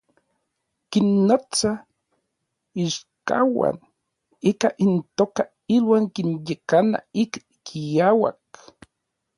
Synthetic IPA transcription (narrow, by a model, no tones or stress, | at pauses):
kinːot͡sa | iʃka̰wa̰n | ikaʔint̪oːka | ilwaːŋkinjekana̰ik | kijawa̰k